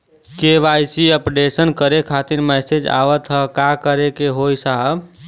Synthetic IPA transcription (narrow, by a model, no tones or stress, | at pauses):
keʋajsiəpɖesənkəɾekʰat̪iɾmɛsed͡ʒa̰ʋət̪ɦəkakəɾekeɦojsaɦəb